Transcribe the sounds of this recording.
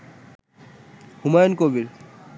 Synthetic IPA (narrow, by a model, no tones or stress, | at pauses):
humajonkobil